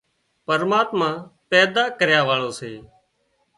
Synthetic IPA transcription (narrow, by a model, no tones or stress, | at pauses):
pəɾmaːt̪mãːpɛːd̪aːkəɾjaːʋaːɭoːseː